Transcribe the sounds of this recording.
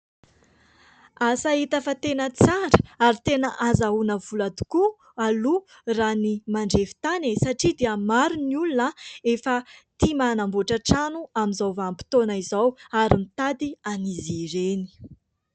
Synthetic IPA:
asait̪afat̪enət͡saɾə̥aɾit̪enəʔazaunəvulad̪u̥ku | alu | ranimaɳɖ͡ʐevi̥t̪anesaʈ͡ʂid̪eəmaɾuniulunəefət̪imanamboʈ͡ʂaʈ͡ʂanuamizawvampi̥t̪onaizawaɾimit̪ad̪ianiziɾeni̥

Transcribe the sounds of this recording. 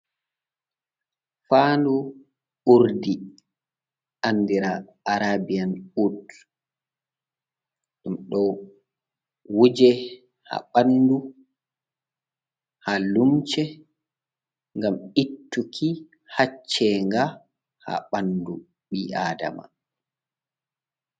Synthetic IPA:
faːndu | uɾdi | ʔanːdiɾa | aɾabijanut | ɗumɗɔ | wud͡ʒɛ | ha̰ɓandu | halumt͡ʃɛ | ŋɡamitːukʰi | hat͡ʃːɛŋɡa | ha̰ɓandu | ɓiʔaːda̰ma̰

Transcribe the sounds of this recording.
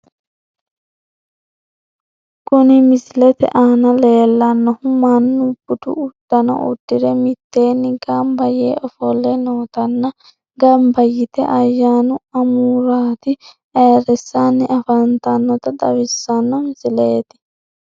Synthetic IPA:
kʊnɪmɪsɪlɛt̪ɛ̰ʔaːnɐleːlːɐnːɔhʊmɐnːʊb̥ʊt̪ʊ̰ʊd̪̥ːɐnɔ̰ʔʊ̰d̪̥ːɪɾɛmɪt̪ːeːnːɪɡɐmbɐjeːɔfɔlːɛnoːt̪ɐnːɐ | ɡɐmbɐjːɪt̪ɛ̰ʔɐjːaːnʊɐmuːɾaːt̪ɪ | eːɾɛsːanːɪʔɐfɐnt̪ɐnːɔt̪ɐd̪ɐwɪsːɐnːɔmɪsɪleːt̪ɪ̥

